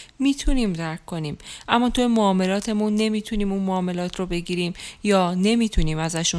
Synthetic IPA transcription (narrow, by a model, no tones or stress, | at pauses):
miːt̪ʰuniːmd̪æɾkʰkːo̞niːmʔæmːɒːt̪ʰuemoɒːme̞lɒːt̪ʰe̞munːe̞miːt̪ʰuniːmunmoːme̞lɒːt̪ʰɾobe̞ɡiːɾiːmjɒːne̞miːt̪ʰuniːmæzæʃu